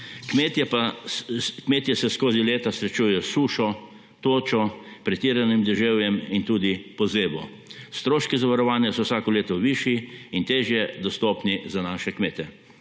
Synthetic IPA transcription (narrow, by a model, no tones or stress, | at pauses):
kmet̪pa | kmeːt̪jɛsɛskoːzileːt̪asɾɛt͡ʃuːjɛjɔsuːʃɔ | t̪oːt͡ʃɔpɾɛt̪iːɾanimd̪ɛʒewjɛmint̪uːd̪ipɔzeːbɔ̰ | st̪ɾoːʃkizaʋaɾɔʋaːnjasɔwsaːkɔleːt̪ɔʋiːʃiint̪eːʒjɛd̪ɔst̪oːpnizanaːʃɛkmeːt̪ɛ